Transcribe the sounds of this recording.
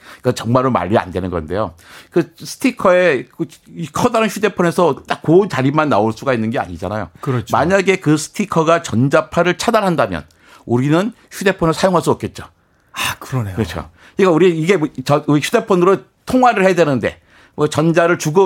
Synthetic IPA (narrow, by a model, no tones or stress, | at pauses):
kat͡ɕʌŋmaɾoma̰ʎːia̰ndwe̞nɯnɡʌ̰nde̞̰jo̰kɯsʰɯ̥tʰikʰʌe̞kkʰʌdaɾɯnçʰjʰude̞pʰʌne̞sʰʌt͈ak͈̚ːont͡ɕaɾimanːaoɭs͈uɡainːɯnɡe̞a̰ɲid͡ʑa̰na̰jo̰kɯɾt͡ɕma̰ɲaɡe̞kɯsʰɯ̥tʰikʰʌɡat͡ɕʌnd͡ʑapʰaɾɯɭt͡ɕʰadaɭɦandamjʌ̰n | uɾinɯn | çʰude̞pʰonɯɭsʰajoŋɦaɭs̬͈uʌp̚k͈e̞t̚t͡ɕ͈o̰ | akɯɾkʌt͡ɕʰo̰ | ik͈auɾiiɡe̞t͡ɕʌuiçʰude̞pʰʌnɯɾo | tʰoŋɦwaɾɯɭhedwenɯnde̞̰ | mʌt͡ɕʌnd͡ʑaɾɯɭt͡ɕuɡɯ